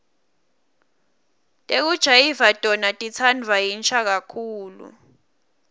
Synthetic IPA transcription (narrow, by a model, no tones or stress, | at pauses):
tʼek̬ud̥ʒ̥ʱajivatʼɔnatʼit͡sʰand͡vʱajint͡ʃʰʼak̬akʰuːlṵ